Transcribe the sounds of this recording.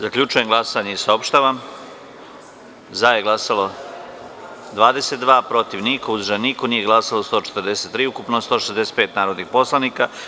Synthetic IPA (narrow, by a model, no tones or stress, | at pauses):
zakʎʲut͡ʃujemɡlˠasaɲeisaopʃt̪aːʋam | zajeɡlˠasalo | d̪ʋaːd̪eset̪d̪ʋaːpɾo̞t̪iʋnikouzɾʒaniko̞niːje̞ɡlˠasalost̪ot͡ʃet̪əɾd̪e̞se̞t̪ːɾiːukupnost̪oʃezd̪e̞se̥t̪peːt̪naːɾo̞d̪nixpo̞slˠaniːka